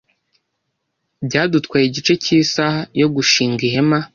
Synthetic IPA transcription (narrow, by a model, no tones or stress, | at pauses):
bɟaːdutkwaːjiɟit͡ʃe̞ciːsahajo̞ɡuʃiːŋɡihe̞ma